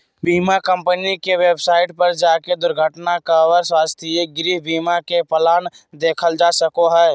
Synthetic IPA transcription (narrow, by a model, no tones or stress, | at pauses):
biːmakə̃mpənikeweːbsaːɪʈ̚pəɾd͡ʒaːked̪ʊɾɡʱəʈnakawəɾswaːst̪ʰieɡɾiːɦbiːmakepəlaːn | d̪eːkʰəld͡ʒaːsəkoɦɛː